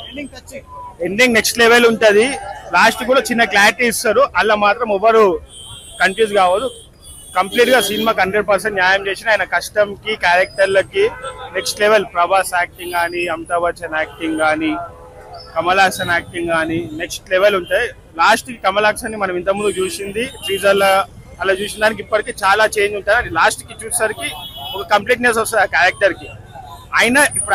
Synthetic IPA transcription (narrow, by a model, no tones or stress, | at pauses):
iŋɐt͡ʃeɳɖiŋɡne̞ksʈleʋeluɳʈɐd̪ilaːsʈkuːɽaːt͡ʃinːɐklaːɾiʈisɐɾuʔɐlːɐmaːt̪ɾɐmɔʋɐɾu | kɐnpjuːd͡ʒkaːʋɐd̪ːu | kɐmpliːʈɡaːsinimaːkɐɳɖeɖ̚pɐɾseɳʈɲjaːjɐmt͡ʃeːsinaːjinɐkɐʂʈɐmkikaːɾek̚ʈɐɾlɐkineksʈleʋelpɾɐbaːsaːk̚ʈiŋɡaːniɐmt̪ɐʋɐt͡ʃɐnaːk̚ʈiŋɡaːni | kɐmɐlaːkʂɐnaːk̚ʈiŋɡaːnine̞ksʈleʋeluɳʈaːj | laːsʈikɐmɐlaːksɐnːimɐnɐmint̪ɐmund̪ut͡ʃuːsind̪isiːd͡ʒɐl | ɐlɐt͡ʃuːsind̪aːnik̬ipːɐʈikeːt͡ʃaːlaːt͡ʃeːnd͡ʒ̪uɳʈaːɾɐɖilaːsʈkit͡ʃuːsɐɾikiɔkɐkɐmpliːʈnesɔskaːɾek̚ʈɐɾki | aːjinɐʔipːuɽ